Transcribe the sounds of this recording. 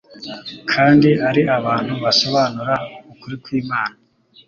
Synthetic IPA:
kʰaːndiʔaɾiʔaβaːn̥huβaso̞βanuɾaukuɾikwiːmaːna

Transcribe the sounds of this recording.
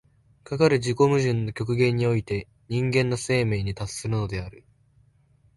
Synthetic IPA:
kakaɾɯ̟ʑiko̞mɯ̟ʑɨ̃nːo̞kʲo̞kɯ̟ɡẽ̞ɲ̟ːio̞it̪e̞ | ɲ̟ĩŋɡẽ̞nːose̞ːme̞ːɲ̟it̪asɨ̥sːɨɾɯ̟no̞d̪e̞aɾɯ̟

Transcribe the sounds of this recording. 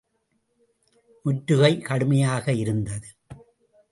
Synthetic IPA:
mʊʈːɾɯɣɐɪkɐɽɯmɐjaːɣɐɪɾɯnd̪ɐðɯ

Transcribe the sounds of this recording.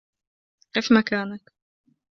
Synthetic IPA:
kefmakaːnak

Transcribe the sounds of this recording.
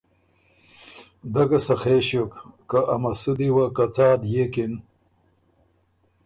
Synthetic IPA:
d̪ɐkɐsɐxeɕjokːɐʔɐmɐsud̪iwakɐt͡saːd̪jekin

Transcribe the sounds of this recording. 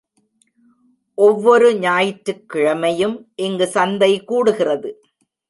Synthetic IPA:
ʔɔʋːɔɾɯɲaːjɪʈɾɯkːɪɻɐmɐjɯmʔɪŋɡɯsɐnd̪ɐɪkuːɽɯɣɪrɐðɯ

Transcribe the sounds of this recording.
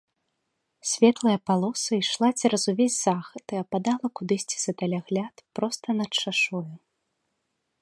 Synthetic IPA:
sʲvʲɛt̪lˠɐjɐpalˠɔsɨiʂlˠat͡sʲiɾɐzuvʲezʲzaxɐt̪ɨɐpad̪alˠɐkud̪ɨsʲt͡sʲi̥zɐt̪alʲaɣlʲat̪pɾɔst̪ɐnɐt͡ʂaʂɔju

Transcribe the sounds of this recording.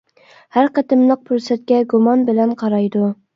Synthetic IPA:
hæɾqæt̪ɪmlˠəq̚pʰuɾsɛt̪̚kʲɛɡumɑnbɪlɛnqʰɑɾɑjd̪u

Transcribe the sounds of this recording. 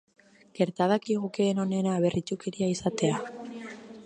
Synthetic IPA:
ke̞ɾt̪aðakiɣukeːno̞ne̞naːβe̞rʔit͡ʃukeɾiaisat̪e̞a

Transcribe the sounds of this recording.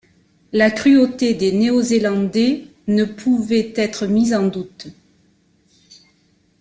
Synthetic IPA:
lakχyot̪ed̪eneozelɑ̃d̪e | nəpʰuvɛt̪ɛt̪χəmizɑ̃d̪ut̪

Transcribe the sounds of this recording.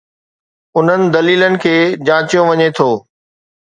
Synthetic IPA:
ʊn̤ənɪ̆d̪ɐliːlənɪ̆kʰeːd͡ʑãːt͡ɕijõʋɐɲet̪ʰoː

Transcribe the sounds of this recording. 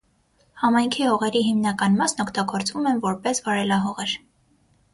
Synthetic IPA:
hɑmɑjŋkʰihɔʁɛɾiɦimnɑkɑnmɑsnɔkʰt̪ɑɡɔɾt͡svumɛnvɔɾpɛsvɑɾɛlɑɦɔʁɛɾ

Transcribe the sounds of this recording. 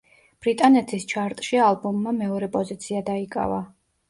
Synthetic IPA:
b̥ɾit̪ʼanɛt̪ʰist͡ʃʰaɾt̪ʼʃialˠbumːamɛɔɾɛpʼɔzit̪sʰiad̪aikʼa̰va

